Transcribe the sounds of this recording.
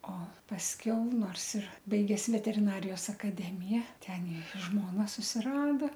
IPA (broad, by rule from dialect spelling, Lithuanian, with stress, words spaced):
oː pɐsʲˈkʲɛʊ ˈnoːrs ɪr ˈbɐɪɡʲɛs ʋʲɛtʲɛrʲɪˈnɑːrʲɪjoːs ɐkɐˈdʲæːmʲɪjæː ˈtʲɛn ɪr ˈʒmoːnɐ sʊsʲɪˈrɑːdɐ